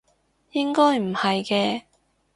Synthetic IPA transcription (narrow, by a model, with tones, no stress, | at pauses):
jɪ˥ŋkɔː˥jm̩˨˩hɐ˨jkɛː˧